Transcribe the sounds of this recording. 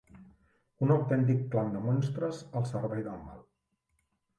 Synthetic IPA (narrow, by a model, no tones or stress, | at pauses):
unawt̪ɛnt̪̬ikːland̪əmɔnst̪ɾəsəlˠsəɾβɛjðəma̰lˠ